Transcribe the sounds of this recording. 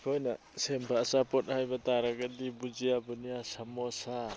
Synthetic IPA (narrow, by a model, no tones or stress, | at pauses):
hojna | sempʰaːsapɔt̚hajbataɾaɡadibud͡ʒijabɯnijasamɔsa